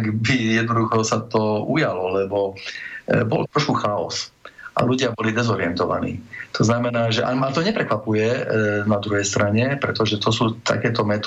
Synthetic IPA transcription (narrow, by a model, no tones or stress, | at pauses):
ɡbijɛd̪nɔd̪uxɔsat̪ɔujalɔlɛbɔ | bɔ̰lt̪ɾɔʃkuxaɔ̰sʔa̰luɟɪabɔlid̪ɛzɔɾiɛnt̪ɔʋa̰nḭːt̪ʰɔznamɛnaːʒɛʔa̰mat̪ɔɲɛpɾɛkʋapujɛnad̪ɾuɦɛjst̪ɾaɲɛpɾɛt̪ɔʒɛt̪ɔsuːt̪a̰kɛːt̪ɔmɛt̪